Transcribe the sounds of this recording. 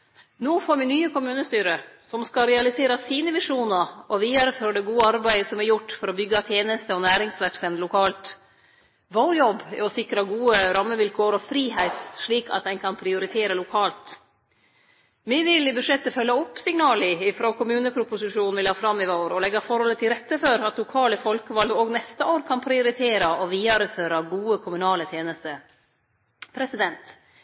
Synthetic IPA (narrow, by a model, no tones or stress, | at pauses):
noːfoːɾʋɪnyːəkʊmʉːnəst̪yːɾəsɔmskɑɾɛɑlɪseːɾɑsiːnəʋɪʂuːnɑɾɔʋiːæɾəfɾɔɖɛɡuːəɑɾbæɪəsɔmɛɾjʊʈːfɔɾɔbʏɡːət̪ʰjeːnəst̪əɔnæːɾɪŋsʋæɾksɛnlʊkʰɑːlt̪ | ʋoːɾjɔb̰ːɔsɪkɾɑɡuːəɾɑmːəʋɪlkʰoːəɾɔfɾiːɦæɪt̪ʂɭiːkɑ̰t̪̚d̪ɛnkʰɑnpʰɾɪʊɾɪt̪ʰeːɾəlʊkʰɑːlt̪ | ʋɪʋɪlɪbʉʂjɛt̪ːəfœlːɑɔpːsɪŋnɑːlɪɪfɾoːkʰʊmʉːnəpʰɾʊpʊsɪʂuːnnʋɪlhɑːfɾɑmːɪʋoːɾɔlɛɡːɑfɔɾhɔlːət̪ʰɪlɾɛt̪ːəfɔɾɑt̪lʊkʰɑːləfɔlkəʋɑlɡəoːɡnɛst̪əoːɾkʰɑnpʰɾɪʊɾɪt̪ʰeːɾɑɔʋiːɑɾʉføːɾɑɡuːəkʰʊmʉnɑːlət̪ʰjeːnəst̪ə | pʰɾɛsɪd̪ɛnt̪